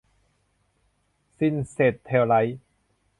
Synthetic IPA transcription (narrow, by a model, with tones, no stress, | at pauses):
si˧˩˨nseː˨˩t̪ʰːɛː˧˩wla˦˥j